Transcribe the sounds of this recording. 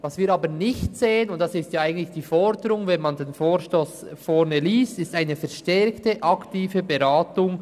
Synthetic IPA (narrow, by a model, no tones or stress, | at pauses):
vɑsviːɾɑːbənɪçtz̥eːənʊnt̚d̥ɑsɪstjaːaɪɡətlɪçd̥iːfɔɾdəɾʊŋvɛnmɑndenfoːɾʃtoːsfɔɾnəliːstɪstaɪnəfɛɐʃtɛɾktəʔɑktiːvəbəʁaːtʊŋ